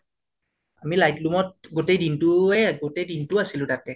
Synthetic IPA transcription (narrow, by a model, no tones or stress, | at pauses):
amilajtlumɔt̚ɡotejdintʊɛɡotejdintʊasilʊ̃tatɛ